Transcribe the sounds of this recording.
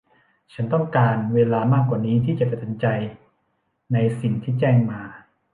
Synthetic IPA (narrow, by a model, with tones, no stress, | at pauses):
t͡ɕʰa˦˥nt̪ɔ˥˩ŋkaː˧nweː˧laː˧maː˥˩kwaː˨˩niː˦˥t̪ʰiː˥˩t͡ɕa˨˩pa˧˩t̪ʰa˧nt͡ɕa˧j | na˧jsi˨˩ŋt̪ʰiː˥˩t͡ɕɛː˥˩ŋmaː˧